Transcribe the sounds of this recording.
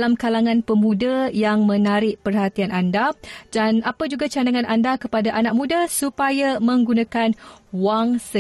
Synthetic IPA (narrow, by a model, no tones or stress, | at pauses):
lamkalaŋãnpəmũdajaŋmə̃naɾɪʔpərhat̪ianʔandadanapad͡ʒuɡat͡ʃanaŋãnandakəpadaʔanaʔ̚mũdasupajamə̃ŋɡunakanwaŋsə